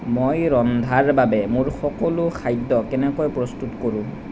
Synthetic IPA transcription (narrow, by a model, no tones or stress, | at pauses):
mojɹɔnd̪ʱaɹbabɛmʊɹxɔkɔlʊxʰajdːɔkɛnɛkojpɹɔstutkoɹũ